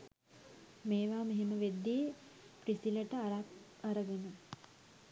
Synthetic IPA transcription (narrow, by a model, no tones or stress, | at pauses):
meːʋaːmeɦeməʋed̪ːiː | prisiləʈəa | aɾəɡənə